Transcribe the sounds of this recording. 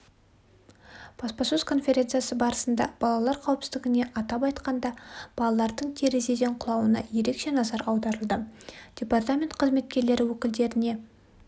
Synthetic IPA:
b̥ɑspɑsozkʰo̞nfʲe̞ɾʲe̞nt̪sɨjasəbɑɾəsənd̪ɑ̰b̥ɑlˠɑlˠɑɾqʰɑwpsɪzd̪ɪɡʲɪne̞ʔɑt̪ɑpɑjt̪qɑnd̪ɑb̥ɑlˠɑlˠɑɾd̪əɴt̪ʲʰe̞ɾe̞ze̞d̪eɴqʰʊlˠɑwənɑ̰je̞ɾe̞kʃe̞nɑzɑɾɑwd̪ɑɾəlˠd̪əd̥ʲepart̪amʲe̞nt̪qʰəzme̞t̪kʲe̞ɾle̞ɾɪwɵkʲɪld̪e̞ɾɪne̞

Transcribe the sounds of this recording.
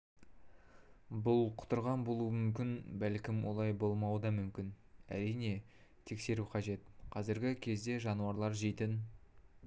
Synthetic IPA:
bʊlˠqʰʊ̥t̪əɾʁɑnbo̞lˠuəmʏmkʲɪnbælkʲɪmwʔo̞̰lˠɑjbo̞lˠmɑwəd̪ɑmʏmkʲɪn | æ̰ɾijne̞ | t̪ʰe̞kse̞ɾuqʰɑʒe̞t̪qʰɑzɪɾɡʲɪkʲʰe̞zd̪e̞ʒɑnuɑɾlˠɑɾʒejt̪ɪn

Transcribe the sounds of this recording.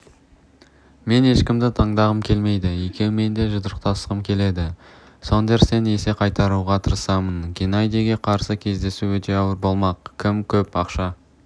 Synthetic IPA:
me̞ne̞ʃkʲɪmd̪ɪt̪ʰɑɴd̪ɑʁəmkʲʰe̞lme̞jd̪ɪekʲe̞w̪ʊme̞nd̪e̞ʒʊd̪əɾəq̚t̪ɑst̪əʁəmkʲʰe̞le̞d̪ɪ | so̞nd̪eɾse̞ne̞se̞qʰɑjt̪ɑɾuʁɑt̪ʰəɾəsɑmənɡʲinɑjd̪iɡʲe̞qʰɑɾsəkʲʰe̞zd̪e̞suɵt̪e̞ɑwəɾbo̞lˠmɑqkʲʰːɪmkʲʰɵpɑqʃɑ

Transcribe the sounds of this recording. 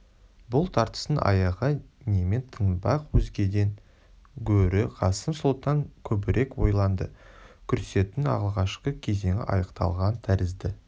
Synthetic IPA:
bʊlˠt̪ʰɑɾt̪ə̥sənɑ̰jɑʁənʲement̪ʰənbɑqwɵzɡʲe̞d̪e̞n | ɡʲʰɵɾɪqʰɑsəmsolˠt̪ɑŋkʲʰɵbɪɾʔe̞kwo̞̰jlˠɑnd̪ə̰kʲʰʏɾse̞t̪ɪnɑ̰ʁlˠʁɑʃqəkʲʰe̞ze̞ŋʲɪ̰ʔɑjəqt̪ɑ̰lˠʁɑnt̪ʰæɾɪzd̪ɪ

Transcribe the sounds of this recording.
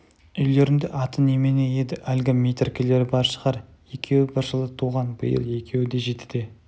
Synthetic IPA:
ʏjle̞ɾɪnd̪ɪ̰ʔɑt̪ənemenejed̪ɪʔælɡʲɪmʲejt̪rkʲele̞ɾɪbɑɾʃə̥ʁɑɾje̞kʲʰe̞wɪbɪɾʒəlˠət̪ʰuʁɑnbə̰jə̰lˠje̞kʲʰe̞wɪd̪e̞ʒe̞t̪ɪ̥d̪̥e

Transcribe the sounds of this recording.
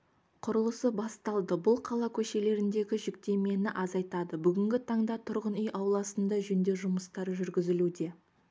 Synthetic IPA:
qʰʊɾəlˠəsəbɑst̪ɑlˠd̪əbʊlˠqʰɑlˠɑkʲʰɵʃe̞le̞ɾɪnd̪e̞ɡʲɪʒʏkt̪e̞me̞nɪʔɑzɑjt̪ɑd̪əbʏɡʲɪŋɡʲɪt̪ʰɑɴd̪ɑt̪ʰʊɾʁənʏjʔɑwlˠɑsənd̪ɑʒɵnd̪e̞ʒʊməst̪ɑɾʒʏɾɡʲɪzɪlud̪e̞

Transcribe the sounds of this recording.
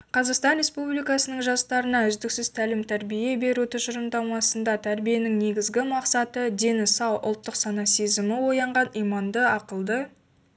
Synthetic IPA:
qʰɑzɑqst̪ɑnɾe̞spublijkɑsənəɴʒɑst̪ɑɾənɑʏzd̪ɪksɪz̥t̪ʰælɪmt̪ʰæɾbije̞be̞ɾut̪ʰɪʒʊɾəmd̪ɑmɑsənd̪ɑt̪ʰæɾbije̞nɪŋne̞ɡʲɪzɡʲɪmɑqsɑt̪əd̪e̞nɪsɑwʔʊ̰lˠt̪ːəqsɑnɑse̞zɪmɪwo̞jɑɴʁɑnijmɑnd̪əɑqəlˠd̪ə

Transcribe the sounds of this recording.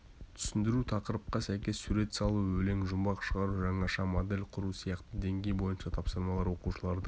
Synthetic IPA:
t̪ʰʏ̥sɪnd̪ɪɾut̪ʰɑqəɾəp̚qɑsæjkʲe̞sːuɾe̞t̪sɑlˠuɵle̞ŋʒʊmbɑqʃəʁɑɾuʒɑɴɑʃɑmod̪e̞lʲqʰʊɾusijɑqt̪əd̪e̞ŋɡʲe̞jbo̞jənʃɑt̪ʰɑpsəɾmɑlˠɑɾwo̞quʃəlˠɑɾd̪ə

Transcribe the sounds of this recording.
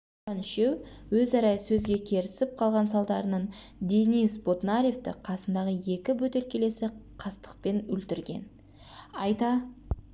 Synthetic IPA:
ɑnʃewwɵzɑɾɑjəsɵzɡʲe̞kʲʰe̞ɾɪsɪp̚qʰɑlˠʁɑnsɑlˠd̪ɑɾənəɴd̪ʲenisbo̞t̪naɾʲeft̪ɪ̰qʰɑsənd̪ɑʁəje̞kʲɪbɵt̪e̞lkʲe̞le̞sɪqʰɑst̪ə̥q̚pe̞nɵlt̪ɪɾɡʲe̞̰n | ɑjt̪ɑ

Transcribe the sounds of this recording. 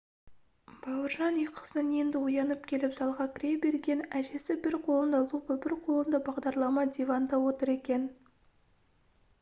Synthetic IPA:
b̥ɑwəɾʒɑneqʰə̥sənje̞nd̪ɪʊjɑnəp̚kʲʰe̞lɪpsɑlˠʁɑkʲʰɪɾebe̞ɾɡʲe̞næʒe̞sɪbɪɾqʰo̞lˠənd̪ɑlˠupəbɪɾqʰo̞lˠənd̪ɑbɑʁd̪ɑɾlˠɑmɑd̪ʲevɑnd̪ɑwo̞t̪əɾe̞kʲe̞n

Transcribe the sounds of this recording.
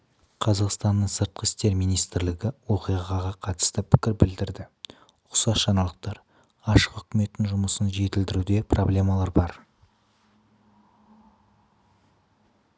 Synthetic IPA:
qʰɑzɑqst̪ɑnːəɴsəɾt̪̚qəɪst̪e̞ɾmijnijst̪ɪɾlɪɡʲɪwo̞qijʁɑʁɑʁɑqʰɑt̪ə̥st̪əpʰɪ̥kʲɪɾbɪld̪ɪɾd̪ɪ | ʊ̥sɑsʃɑnɑlˠəq̚t̪ɑɾ | ɑʃə̥qʏkʲɪme̞t̪ːɪnʒʊməsənʒe̞t̪ɪld̪ɪɾud̪e̞prʔoblʲe̞mɑlˠɑɾbɑɾ

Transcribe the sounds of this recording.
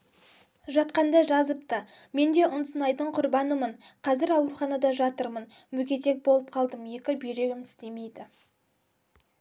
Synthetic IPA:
ʒɑt̪̚qɑnd̪ɑʒɑzəp̚t̪ə | me̞nd̪e̞ʔʊnsənɑjd̪əɴqʰʊɾbɑnəməɴqʰɑzɪɾɑwɾuχɑnɑd̪ɑʒɑt̪əɾmən | mʏɡʲe̞t̪e̞k̚bo̞lˠəp̚qʰɑlˠd̪əmje̞kʲɪbeɾe̞ɡʲɪmɪst̪e̞me̞jd̪ɪ

